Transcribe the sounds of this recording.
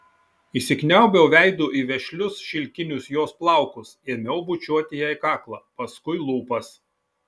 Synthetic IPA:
iːsʲɪknʲɛˑʊbʲɛʊʋʲæˑɪd̪uːʔiːʋʲɛʃʲlʲʊsʃʲɪlʲkʲɪnʲʊsjoːsplˠɑˑʊkʊseɛmʲɛʊbʊt͡ʃʲuɔt̪ʲɪjɛɪkɑːklˠɑ̰ːpɐskʊɪlˠuːpɐs

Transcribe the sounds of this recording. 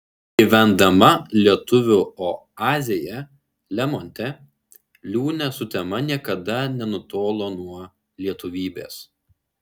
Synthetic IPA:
ɡʲiʋʲɛnd̪ɐmɐlʲiɛt̪ʊʋʲʊoː | ɑːzʲɪjɛ | lʲɛmɔnʲt̪ʲɛ | lʲuːnʲɛsʊt̪ʲɛmɐnʲiɛkɐd̪ɐnʲɛnʊt̪oːlˠoːnuɔ | lʲiɛt̪ʊʋʲiːbʲḛːs

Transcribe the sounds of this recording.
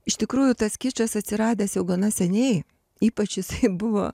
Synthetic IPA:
ɪʃt̪ʲɪkɾuːjʊt̪ɐskʲɪt͡ʃʲɐsɐt̪ʲsʲɪɾɑːd̪ʲeːsjɛʊɡɐnɐsʲɛnʲɛɪ | iːpɐt͡ʃjɪsɐɪbʊʋo̰ː

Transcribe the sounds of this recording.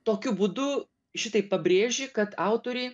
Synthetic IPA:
t̪oːkʲʊbuːd̪ʊ | ʃʲɪt̪ɐɪpɐbʲɾʲeːʒʲɪkɐt̪ɑˑʊt̪oːɾʲɛɪ

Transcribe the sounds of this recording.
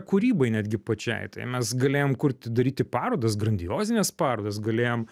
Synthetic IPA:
kuɾʲiːbɐɪnʲæːd̪ʲɡʲɪpɐt͡ʃʲɛ̰ɪt̪ɐɪmʲɛsɡɐlʲeːjoːmkʊɾʲt̪ʲd̪ɐɾʲiːt̪ʲɪpɑːɾoːd̪ɐsɡɾɐnʲd̪ʲɪjoːzʲɪnʲɛspɑːɾoːd̪ɐsɡɐlʲeːjoːm

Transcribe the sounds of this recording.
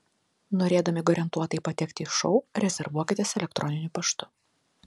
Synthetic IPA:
noːɾʲeːd̪ɐmʲɪɡɔːɾʲɛnt̪uɔt̪ɐɪpɐt̪ʲɛkt̪ʲɪːʃɔʊɾʲɛzʲɛɾʋuɔkʲɪt̪ʲiːsɛlʲɛkt̪ɾʔɔnʲɪnʲʊpɐʃt̪ʊ

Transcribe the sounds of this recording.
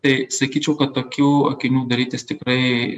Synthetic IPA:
esɐkit͡ʃokɐt̪ɐkjoɐ̰kinud̪ɐɾit̪est̪ikɾɐ

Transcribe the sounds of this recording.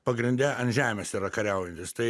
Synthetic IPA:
pɐɡɾʲɪnʲd̪ʲɛɐnʒʲæːmʲɛsiɾɐkɐɾʲɛʊjɛnʲt̪ʲɪst̪ɐɪ

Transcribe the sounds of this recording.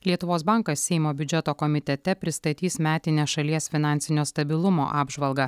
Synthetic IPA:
lʲiɛt̪ʊʋoːsbɐŋkɐsʲsʲɛɪmoːbʲʊd͡ʒʲɛt̪oːkɔmʲɪt̪ʲɛt̪ʲɛpʲɾʲɪst̪ɐt̪ʲiːsmʲæːt̪ʲɪnʲeʃɐlʲiɛsfʲɪnɑˑnʲtsʲɪnʲoːst̪ɐbʲɪlˠʊmo̰ːʔɑːbʒʋɐlˠɡɐ

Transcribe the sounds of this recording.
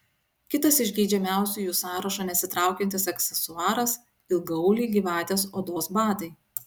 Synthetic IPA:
kʲɪt̪ɐsɪʒʲɡʲiːd͡ʒʲɛmʲæˑʊsʲuːjuːsɑːɾɐʃɐnʲɛsʲɪt̪ɾɑˑʊkʲɛnt̪ʲɪsɛksʲɛsʊɑːɾɐs | ɪlɡɐʊlʲiːɡʲiːʋɑːt̪ʲeːsoːd̪oːsbɑːd̪ɐɪ

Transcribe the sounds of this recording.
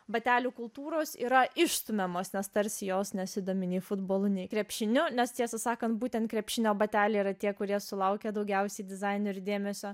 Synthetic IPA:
bɐt̪ʲæːlʲuːkʊlˠt̪uːɾoːsḭːɾɐɪʃst̪ʊmʲɛmoːsnʲɛst̪ɐɾʲsʲɪjoːsnʲɛsʲɪd̪oːmʲɪnʲiːfʊd̪boːlˠʊnʲɛɪkɾʲɛpʲʃʲɪnʲʊnʲɛst̪ʲiɛsɐsɑːkɐnt̪buːt̪ʲɛnt̪kɾʲɛpʲʃʲɪnʲoːbɐt̪ʲæːlʲɛɪiɾɐt̪ʲiɛkʊɾʲiɛsʊlˠɐʊkʲɛːd̪ɐʊɡʲɛʊsʲɛɪdʲɪzɐɪnoɪɾd̪ʲeːmʲɛsʲoː

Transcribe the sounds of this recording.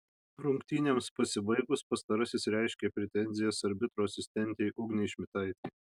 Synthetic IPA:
ɾʊŋkt̪ʲiːnʲɛmspɐsʲɪbɐɪɡʊspɐst̪ɐɾɐsʲɪsɾʲɛɪʃʲkʲepʲɾʲɛt̪ʲɛnʲzʲɪjɛsɐɾʲbʲɪt̪ɾoːɐsʲɪsʲt̪ʲɛnʲt̪ʲɛɪʔʊɡnʲɛɪʃʲmʲɪt̪ɐɪt̪ʲɛɪ

